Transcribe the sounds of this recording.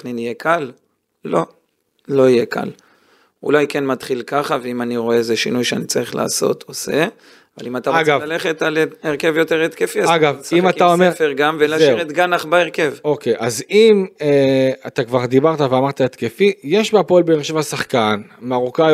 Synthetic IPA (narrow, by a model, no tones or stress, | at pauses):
ninijekʰalː | o̞ | lo̞ijeka̰l | ṵlajkenmat̪χilkaχaveimaniʁo̞eezeʃinujʃeanit͡saʁiχla̰ːso̞̰t̪ʰose | ava̰limat̪aʁoaɡavlaleχet̪aleʁkevjo̞t̪eʁet̪kefiaaɡavsimataomeʁfeʁɡamvelazʃʁet̪ɡanaχbaeʁke̞vokejʔazimeat̪akvaʁd̪ibaʁt̪aveamaʁt̪aet̪kefijeʃbapolbemeʁʃevasaχkanmeaʁuka